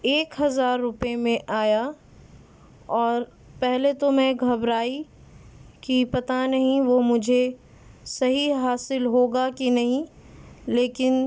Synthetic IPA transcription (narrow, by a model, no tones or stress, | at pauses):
eːkɦɐzaːɾːʊpemẽʔaːja | ɔːɾ | pɛɦlet̪omẽɡʱɐbɾaːi | kipɐt̪anɐɦĩʋomʊd͡ʒʱe | sɐɦiɦaːsɪlɦoːɡakinɐɦĩ | leːkɪn